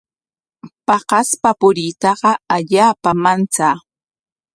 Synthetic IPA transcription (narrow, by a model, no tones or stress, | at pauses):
pɑɢɑspapʊɾɪt̪ɑɢɑaʎaːpamant͡saː